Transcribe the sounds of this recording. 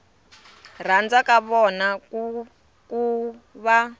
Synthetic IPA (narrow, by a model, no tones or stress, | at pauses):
r̤and͡zakaβɔnak | ku | βa